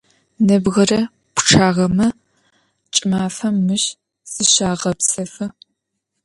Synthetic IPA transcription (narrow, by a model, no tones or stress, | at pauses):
nɐbʁɐrɐ | pʰʷʈ͡ʂʰaːʁɐmɐ | t͡ʃʼɪmaːfɐmːɨɕ | z̥ɨɕaːʁɐpsɐfɨ